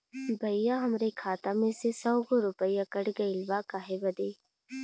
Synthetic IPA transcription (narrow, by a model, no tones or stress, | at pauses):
bʱɐɪjaɦɐmɾekʰaːt̪amẽsesɔːɡoɾʊpəijakɐɽɡɐilʋaːkaːɦebɐd̪eː